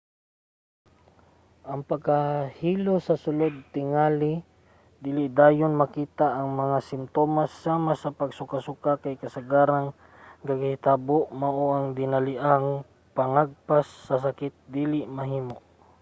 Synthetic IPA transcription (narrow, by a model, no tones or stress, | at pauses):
ʔɐŋpɐɡahiːlosɐsʊlod̪̚t̪ɪŋaːlɪ | d̪iːlɪʔd̪aːjonmɐkiːt̪aʔːŋmɐŋasɪmt̪oːmasaːmasɐpɐɡsʊkasʊkakajkɐsaɡaːɾaŋ | ɡɐɡhɪt̪aboʔmɐʔoʔaŋd̪ɪnɐlɪʔaŋ | pɐŋaɡ̚pasːɐs̬akɪt̪̚d̪ilɪʔmɐɦiːmoʔ